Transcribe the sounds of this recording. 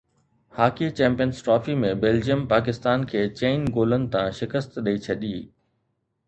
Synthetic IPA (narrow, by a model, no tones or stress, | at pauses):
haːkit͡ɕɛ̃ːmpijənsʈɾɔːfimẽbeːld͡ʑijəmpaːk̬ɪst̪aːnkʰeːt͡ɕeːnɡoːlənɪ̆t̪ãʃɪkəst̪ɗəit͡ɕʰɐɗiː